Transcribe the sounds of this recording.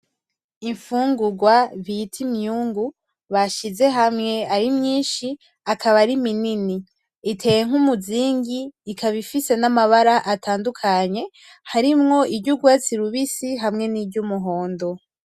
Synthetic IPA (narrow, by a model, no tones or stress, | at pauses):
iɱfuːŋɡuɡwaβitʰimɲuːŋɡu | βaʃize̞ɦamŋe̞aɾimɲiːnʃi | akʰaβaɾiminini | itʰe̞ːje̞ŋ̥umuziːŋɡiːkʰaβifise̞namaβaɾaʔatʰaːndukʰaɲe̞ | haɾimŋo̞ibɟuɡwaːt͡siɾuβisiɦamŋe̞nibɟumuɦo̞ːndo̞